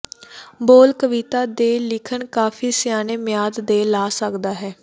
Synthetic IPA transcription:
boːlkəʋiːt̪aːd̪eːlɪkʰəɳkaːpʰiːsɪjaːneːmɪjaːd̪d̪eːlaːsəkd̪aːɦɛː

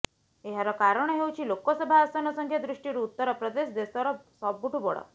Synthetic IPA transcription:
eɦaɾɔkaɾəɽ̃ɔɦewt͡ɕʰilokɔsɔbʱaːst̪anɔsɔŋkʰjed̪ɾuʂʈiɾuːt̪ːɔɾɔpɾɔd̪esd̪est̪ɔɾɔsɔb̚ːuʈubɔɽɔ̰

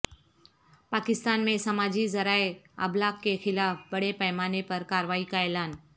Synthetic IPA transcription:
paːkɪst̪aːnmẽsɐmaːd͡ʒizɐɾaːeɐ̰blaːkːexɪlaːfbɐɽepɐɪmaːnepɐɾkaːɾəʋaːikaːelaːn

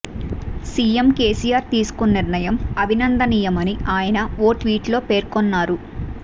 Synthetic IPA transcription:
siːemke̞ːsijaːɾt̪iːsu̥kunniɾnɐjɐmɐbʱinɐnd̪ɐnijɐmɐniʔaːjɐnɐoːʈʋiːʈlo̞ːpe̞ːɾkonːaːɾu

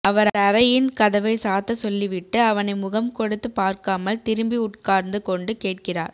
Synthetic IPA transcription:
ɐʋɐɾɐɾɐjɪnkɐðɐʋɐɪsaːt̪ːɐsɔlːiʋɪʈːɯɐʋɐnɐɪmʊɣɐmkɔɽɯt̪ːɯpaːɾkaːmɐlt̪ɪɾɯmbiʊʈ̚kaːɾnd̪ɯkɔɳɖɯkeːʈ̚kɪra̰ːɾ

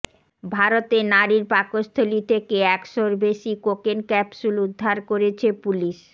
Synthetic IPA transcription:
bʱaɾot̪enaɾiɾpakost̪ʰolit̪ʰekeɛkʃoɾbeʃikokenkɛpʃulud̪ʱːaɾkoɾet͡ɕʰepuliʃ

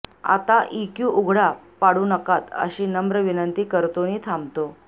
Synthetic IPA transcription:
a̰t̪aʔikjuːʔuɡʱɽapaɽuːnəkat̪ə̰ɕiːnəmbɾəʋinənt̪iːkəɾt̪oniːt̪ʰambt̪o

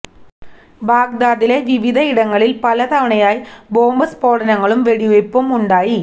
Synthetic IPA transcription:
baːɡd̪aːðileʋiʋiðʱɐiɽɐŋːɐɭilpɐlɐt̪ɐʋɐɳɐjaːjboːmbɐspoːɽɐnɐŋːɐɭumʋeɽiʋepːomuɳɖaːji

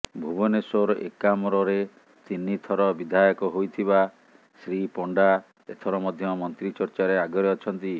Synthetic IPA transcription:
bʱubɔnesoɾḛkamɔɾɔɾe | t̪inːit̪ʰɔɾɔbid̪ʱajɔkɔɦojt̪ʰiba | sɾipɔɳɖa | ḛt̪ʰɔɾɔmɔd̪ʱjɔmɔnt̪ɾit͡ʃɔɾt͡ʃaɾeaɡɔɾeɔt͡ʃʰɔnt̪i

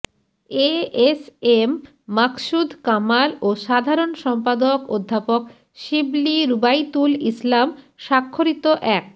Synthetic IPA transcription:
eesemː | aksud̪ʱkamaloʃad̪ʱaɾonʃɔmpad̪okod̪ʱːapok | ʃibliɾubajt̪ulislam | ʃakʰːoɾit̪oʔɛk̚

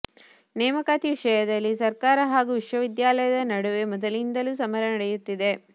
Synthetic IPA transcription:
nɛːmɐkaːt̪iʋiʂɐjɐd̪ɐlːisɐɾkaːɾɐɦaːɡuʋiʂʋɐʋid̪jaːlɐjɐd̪ɐnɐɽuʋe̞mɔd̪ɐlind̪ɐlusɐmɐɾɐnɐɽejut̪ːid̪e̞

